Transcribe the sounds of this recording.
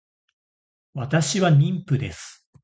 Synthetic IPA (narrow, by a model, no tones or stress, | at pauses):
βat̪aɕiβaɲʲĩmpɯ̟d̪e̞sɨ̥